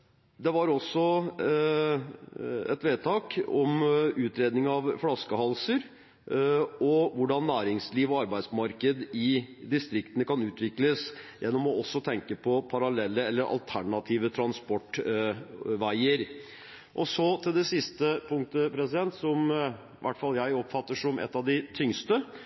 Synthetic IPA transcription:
d̪ɛʋɑɾɔsːɔ | ɛ̰t̪ʋeːd̪̚t̪ʰɑːkɔmʉːt̪ɾeːd̪nɪŋɑʋflɑskəhɑlsəɾ | ɔʋʊɖɑnːæːɾɪŋsliːʋɔɑɾbæɪd̪smɑɾkəd̪ɪd̪ɪst̪ɾɪkt̪ənəkɑnʉːt̪ʋɪkləsjɛnːɔmɔɔsːɔt̪ʰɛŋkəpʰɔpʰɑɾɑlɛlːəɛlːəɾʔɑ̰lt̪ʰæɳɑt̪ʰiːʋət̪ʰɾɑnspɔʈ | ʋæɪəɾ | ʔɔsɔt̪ʰɪld̪ɛsɪst̪əpʰʊŋkt̪əpʰɾɛsɪd̪ɛnt̪sɔm | ʋʔæ̰ʈːfɑljæɪɔpːfɑt̪ːəʂɔmʔɛ̰t̪ːɑʋd̪ɪt̪ʰʏŋst̪ə

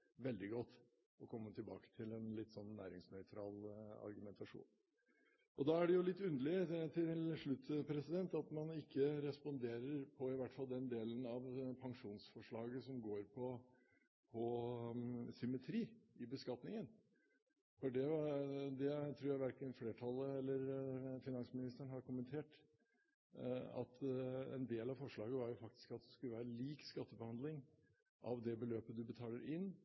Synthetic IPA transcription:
ʋɛld̪ɪɡɔt̪ː | ɔkʰɔmːət̪ʰɪlbɑ̰ːkə̥t̪ʰɪlɛnlɪt̪ːsɔnːæːɾɪŋsnœʏt̪ʰɾɑ̰ːlɑ̰ɾɡʉmɛnt̪ɑʂṵːn | ʔɔd̪ɑːæɖɛjʊlɪt̪ːʉnd̪əlɪət̪ʰɪlʂɭʉt̪ːpʰɾɛsɪd̪ɛnt̪ɑt̪mɑnɪkʰːəɾɛspɔnd̪eːɾəɾpʰɔɪʋæʈːfɑld̪ɛnd̪eːlənɑʋpʰɑŋʂuːnsfɔʂɭɑːɡəsɔmɡoːɾpʰɔ | pʰɔ | sʏmːət̪ʰɾiːɪbəskɑt̪nɪŋən | fɔɖɛd̪ɛt̪ʰɾuːjæɪʋæɾkənfleːʈʰɑlːəɛlːəɾfɪnɑnsmɪnɪst̪əɳ̩ɦɑɾkʊmənt̪ʰeːʈ | ɑ̰t̪ɛ̰nd̪eːlɑʋfɔʂɭɑːɡəʋɑɾjʊfɑk̚t̪ɪ̥skɑt̪̚d̪ɛskʉləʋæːɾəliːkskɑt̪ːəbəhɑnd̪lɪŋ | ʔɑ̰ʋd̪ɛbəløːpəd̪ʉbət̪ʰɑːləɾʔɪnː

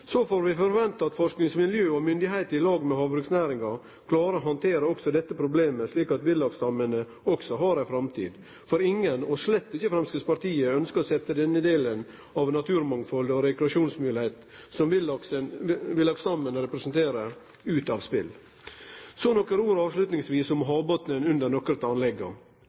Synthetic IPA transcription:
sofoːɾʋɪfɔɾʋɛnt̪ɑɑt̪fɔʂknɪŋsmɪljøːɔmʏnd̪ɪɦæɪt̪əɪlɑːɡmɛɦɑːʋbɾʉːksnæːɾɪŋɑ | kʰlɑːɾəɔɦɑnt̪ʰeːɾəɔksɔd̪ɛt̪ːəpʰɾʊbleːməʂliːkɑt̪ʋɪlːɑɡst̪ɑmːənə | ɔksɔɦɑɾæfɾɑmt̪ʰḭːd̪ | fɔɾɪŋːənɔʂlɛt̪ːɪçəfɾɛmskəspɑɾt̪iːəœnskəsɛt̪ːəd̪ɛnːəd̪eːlən | ɑʋnɑt̪ʰʉːɾmɑŋfɔld̪ɔɾɛkɾɑʂuːnsmʉːlɪhɛt̪ | sɔm | ʋɪlːɑɡst̪ɑmːənəɾɛpɾəɛsənt̪ʰeːɾə | ʉːt̪ɑʋspɪ̰l | sɔnɔkːəɾuːɾɑːʋʂlʉːt̪nɪŋsʋiːsʊmɦɑːbɔt̪nənʉnd̪əɾnɔkːɾət̪ɑnlɛɡːɑ̰

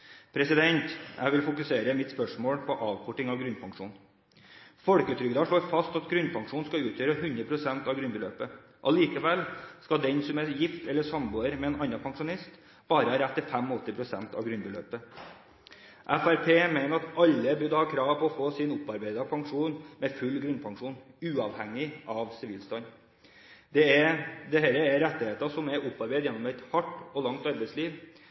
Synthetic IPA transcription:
pʰɾɛsɪd̪ɛnt̪jʔæ̰ɪʋɪlfʊkʉseːɾəmɪt̪spœʂmoːɽpʰɔʔɑːʋkʰɔʈɪŋɑʋɡɾʉnpʰɑŋʂṵːn | fɔɽkəʉːt̪ʰɾʏɡd̪ɑʂɭoːɾfɑst̪ɑt̪ɡɾʉnpʰɑŋʂuːnskɑʉːt̪ʰjøːɾəhʉnd̪ɾəpʰɾʊsɛnt̪ɑʋɡɾʉnbəløːpə | ʔɑliːkəʋɛlskɑd̪ɛnsɔmɛjɪft̪ɛlːəʂɑmbuːəɾmɛɛːnʔɑnːɑpʰɑŋʂʊnɪst̪ | bɑːɾəɾæt̪ːɪfæmɔɔt̪ːɪpʰɾʊsɛnt̪ʰɑ̰ːʋɡɾʉnbəlø̰ːpə | ʔæfæɾpʰeːmæɪnəɾɑt̪ʔɑlːəbʉd̪hɑːkʰɾɑːʋpʰɔɔfoːsɪnʊpːɑɾbæɪd̪ɑpʰɑŋʂuːnmɛfʉlːɡɾʉnpʰɑŋʂuːnʉːɑʋhɛŋːɪʔɑʋsɪʋiːlst̪ɑn | d̪ɛɛd̪ɛhæːɾəɛɾɾɛt̪ːɪheːt̪əsɔmɛɾʔʊpːɑɾbæɪd̪jɛnːɔmɛt̪hɑʈːɔlɑŋt̪ɑɾbɛɪtsliːʋ

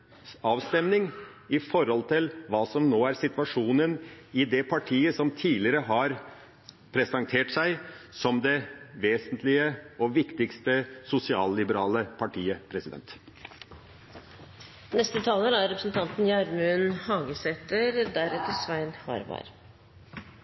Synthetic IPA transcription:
ɑːʋst̪ɛmnɪŋɪfɔɾɔlt̪ʰɪlʋɑːsɔmnoːæɾsɪt̪ʋɑʂuːnənɪd̪ɛpʰɑʈʰiːəsɔmt̪ʰiːlɪəɾəɦɑɾ | pʰɾɛsɑŋt̪ʰeːʈsæɪsɔmd̪ɛʋeːsənt̪ʰlɪəɔʋɪkt̪ɪkst̪əsʊsɪɑːllɪbəɾɑːləpʰɑʈʰiːəpʰɾɛsɪd̪ɛ̰nt̪ | nɛst̪ət̪ʰɑːləɾæɾɾɛpɾəsn̩t̪ʰɑnt̪n̩jɑɾmʉnhɑːɡəsɛt̪əɾd̪æɾɛt̪ːəsʋæɪnhɑ̰ɾʋɑ̰ɾ

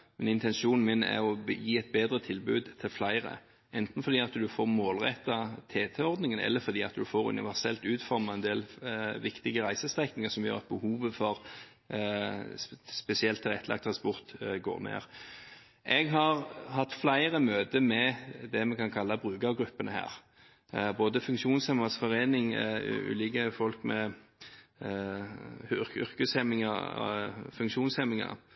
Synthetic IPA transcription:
mɛnɪnt̪ɛnʃuːnn̩mɪnɛ̰ʁɔjiːɛt̪̚beːd̪ɾət̪ʰɪlbʉ̰ːd̪t̪ʰɪlflæɪʁə̰ | ɛnt̪n̩fɔɾd̪iːɑt̪d̪ʉfoːʁmoːlʁɛ̰t̪ːɑt̪ʰeːt̪ʰɛːɔʁd̪nɪŋənɛ̰lːəfɔɾd̪iːɑt̪d̪ʉfoːɾʉ̰nɪ̰ʋæʁsɛlt̪ʉːt̪fɔɾmɑɛnd̪eːlʋɪkt̪ɪɡəʁæɪsəst̪ʁɛknɪŋəsɔmjø̰ːʁɑt̪̚bəhuːʋəfɔʁ | spɛsɪɛlt̪ʰːɪlɛt̪ʰːlʔɑ̰k̚t̪ʰːʁɑnspɔʁt̪ɡo̰ːʁnḛːʁ | ʔɛɡɦɑʁhɑt̪ːflæɪʁəmøːd̪əmɛd̪ɛmɛkʰɑnkʰɑlːɑbʁʉːɡɑʋɡɾʉpːənəhæ̰ːʁ | boːd̪əfʉŋkʃuːnshɛməsfɔʁeːnɪŋʉ̰ːlɪːkəfɔlkmɛ | ʏʁkʉshɛmːɪŋə̰ | fʉŋkʃuːnshɛmɪŋɑ̰ɾ

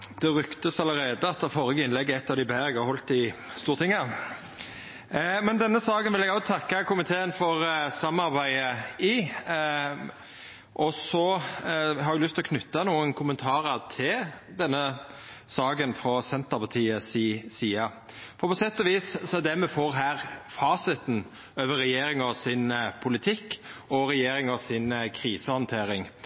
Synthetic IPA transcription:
d̪̥ɛʁʏkt̪əsɑləɾeːd̪əɑt̪ːəfɔɾəɡəɪnlɛɡːəɛt̪ːɑʋd̪ɪbæɪʁɛɡɑʁhɔlt̪ɪst̪uːʁt̪ɪŋːə | mɛnd̪ɛnːəsɑːɡənʋɪlɛɡɑst̪ʰɑkːɑkʊmɪt̪ʰeːənfɔʁsɑmɑɾbæɪəi | ʔɔsɔ | hɑɾɛɡlʏst̪ɪlɔkʰnʏt̪ːɑnuːənkʰʊmənt̪ʰɑːɾəʁt̪ʰɪl | d̪ɛnːə | sɑːɡənfɾɔsɛnt̪əʁpʰɑt̪ʰiːəsiːsiːɑ | fɔɾpʰɔsɛt̪ːɔʋiːssɔɛd̪ɛmɛfoːɾɦæːʁfɑːsɪt̪n̩ | øːʋəɾːɛjeːɾɪŋɔsɪnpʰʊlɪt̪ʰɪkːɔɾɛjeːɾɪŋɔsɪnkʰɾiːsəhɑnt̪ʰeːɾɪŋ

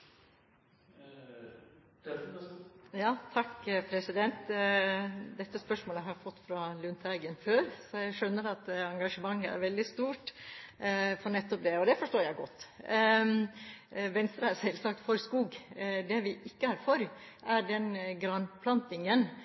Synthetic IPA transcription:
jɑːt̪ʰɑkːpʰɾɛsɪd̪ɛnt̪ | d̪ɛt̪ːəspœʂmoːləɦɑɾɪfɔt̪ːfɾɑlʉnt̪ʰæɪɡənføːɾsɔjæɪʂœnːəɾɑt̪ɑŋɡɑʂəmɑŋːəæ̰ɾʋɛld̪ɪst̪uːʈ | fɔɳɛt̪ːɔp̚d̪ɛɔd̪ɛfɔʂʈoːɾjæɪɡɔt̪ː | ʋɛnst̪ɾəæɾsɛlsɑk̚t̪fɔɾskuːɡd̪ɛʋɪʔɪkːəhæɾfɔɾ | ʔæɖɛnɡɾɑnpʰlɑnt̪ɪŋən

